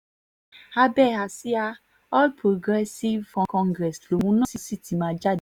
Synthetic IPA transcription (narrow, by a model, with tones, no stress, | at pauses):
a˧bɛ˦˨a˨si˦a˧ | ɔ˦lpɾo˨ɡɾɛ˦si˦vkɔ̃˨kɔ̃˧ŋɡɾɛ˨slo˨wũ˦nã˦si˦si˦˨ti˨mã˨˧d͡ʒa˦˨d